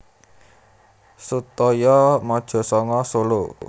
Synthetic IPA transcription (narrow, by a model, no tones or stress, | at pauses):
sut̪ɔjɔmɔd̥ʒ̥ɔ̤sɔŋɔsolo